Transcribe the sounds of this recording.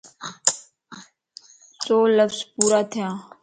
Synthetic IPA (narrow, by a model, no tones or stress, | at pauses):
soːləfzpuːɾaːt̪ʰɪjãː